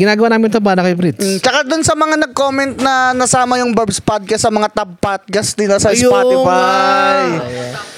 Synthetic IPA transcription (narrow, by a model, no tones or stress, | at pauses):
ɡɪnaːɡɐwanaːmɪnt̪ɐbaːnɐkɐjpɾit̪ːt͡ʃɐkad̪ʊnsɐmɐŋanɐɡ̚ko̞ːmɛnt̪̚nɐnɐsaːmɐjʊŋbɛbspad̪̚kɐsɐmɐŋat̪ɐpat̪̚ɡɐst̪ɪnɐsɐspaːɪfaj